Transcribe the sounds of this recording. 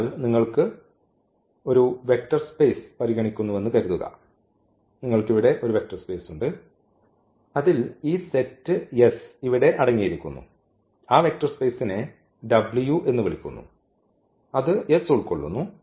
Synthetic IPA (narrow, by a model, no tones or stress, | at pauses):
lniŋːɐɭkɨ | o̞ɾuʋe̞k̚ʈɐrspeːspɐɾiɣɐɳikʲːunːuʋenːukɐɾuðuɣɐ̰ | niŋːɐɭkiʋiɽe̞ʔo̞ɾuʋe̞k̚ʈɐrspeːsuɳɖɨ | ɐðiliːsetːɨjesiʋiɽe̞ʔɐɽɐŋːijiɾikʲːṵnːṵ | aːʋe̞k̚ʈɐrspe̞ːsine | ɖɐbɭijuʔe̞nːuʋɐɭikʲːṵnːṵ | ɐðɨjesuɭkoɭːṵnːu